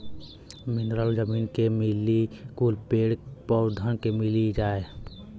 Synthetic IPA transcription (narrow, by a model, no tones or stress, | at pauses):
mɪnɾaːld͡ʒəmiːnkemilikuːlpeːɽpɔwd̪ʱənkemɪlid͡ʒaːe